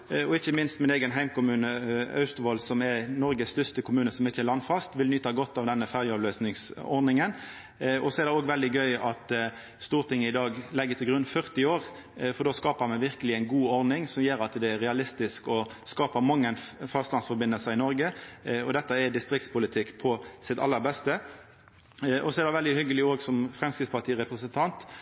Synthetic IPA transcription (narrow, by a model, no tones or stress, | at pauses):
ɔɪçəmɪnst̪mɪneːɡənɦæɪmkʊmʉːnəɑ̰ʉst̪ʊʋɔlsɔmɛɾnɔɾɡəst̪ʏst̪əkʰʊmʉːnəsɔmɪçəɛlɑnːfɑst̪ʋɪlnyːt̪ɑɡɔt̪ːɑʋd̪ɛnːəfæʁjəɑːʋløːsnɪŋsɔ̰ɾd̪nɪŋən | ɔsɔɛɾd̪ɛoːɡʋɛld̪ɪɡœʏɑt̪ | st̪uːɾt̪ɪŋːəɪd̪ɑːɡlɛɡːət̪ʰɪlɡɾʉnfœʁt̪ɪoːʁ | fɔɾdɖoːskɑːpəmɛʋɪɾkəlɪæɪnɡuːɔɾd̪nɪŋsɔmjeːɾɑt̪d̪ɛːɾʁɛɑlɪst̪ɪskɔskɑːpəɾmɑŋːənfɑst̪lɑnsfɔɾbɪnəlsəɪnɔɾɡəɔd̪ɛt̪ːəɛd̪ɪst̪ɾɪk̚t̪spʊlɪt̪ʰɪkːpʰɔsɪt̪ɑ̰lːəɾbɛst̪ə | ʔɔsɔɛɾd̪ɛʋɛld̪ɪhʏɡəlɪoːɡsɔmfɾɛmskɾɪt̪spɑt̪iːʁɛpɾəsənt̪ʰɑnt̪